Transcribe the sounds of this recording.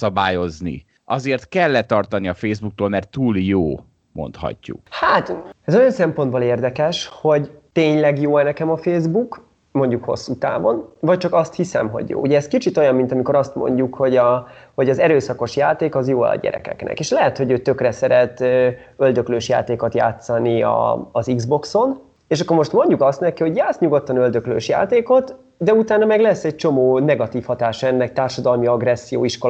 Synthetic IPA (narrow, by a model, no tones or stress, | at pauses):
sɒbaːjo̞znḭ | ʔɒzeːrt̪kɛlːɛt̪ɒrt̪ɒniɒfeːzbuk̚t̪oːlmɛrt̪ːuːljoː | mo̞̰nt̪hɒ̰cːṵkhat̪ɛzo̞jɒnsɛmpo̞nd̪boːleːrd̪ɛkɛʃho̞ɟt̪eːɲlɛɡjoːɛnɛkɛmɒfeːzbuk | mo̞ɲɟukho̞̰sːut̪a̰ːvo̞̰nvɒc̚t͡ʃɒkɒst̪hisɛ̰mɦo̞̰ɟjo̰ːʔṵɟɛːskit͡ʃit̪o̞jɒmːint̪ɒmiko̞ɾɒst̪mo̞̰ɲɟukho̞ɟɒho̞ɟɒzɛɾøːsɒko̞ʃjaːt̪eːkɒzjoːɛ̰ɒ̰ɟɛ̰ɾɛ̰kɛ̰knɛ̰keːʃlɛɦɛt̪ho̞ɟøːt̪ø̞krɛsɛɾɛt̪ø | øld̪økløːʃja̰ːt̪eːko̞t̪ja̰ːt̪sɒniɒ̰ːziɡzbo̞kso̞n | eːʃɒkːo̞rmo̞ʃt̪mo̞ɲɟukɒst̪nɛkiho̞ɟjaːt̪sɲuɡo̞t̪ːɒnøld̪ø̞klø̰ːʃja̰ːt̪eːko̞t̪ | d̪ɛut̪aːnːɒmɛɡlɛsːɛc̚t͡ʃo̞moːnɛɡɒt̪iːfhɒt̪aːʃɒɛnːɛk̚t̪aːrʃɒd̪ɒlmiɒɡrɛsːijo̰ːiʃkol